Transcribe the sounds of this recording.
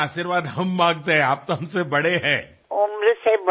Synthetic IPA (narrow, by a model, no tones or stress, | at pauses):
aːʃiɾʋaːd̪ɦɐmːãːŋɡt̪eɦɛ̃aːp̚t̪oɐɦɐmsebɐɽeɦɛ̃ː | ʊmɾseb